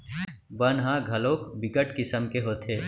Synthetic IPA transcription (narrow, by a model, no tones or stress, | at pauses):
bɐnɦãːɡʱɐloːkbɪɡəʈkɪsəmkeɦoːt̪ʰeː